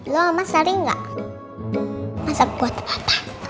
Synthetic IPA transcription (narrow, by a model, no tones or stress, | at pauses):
lɔamasaɾiŋɡa̰ʔ | masak̚buat̪bḁt̪ḁ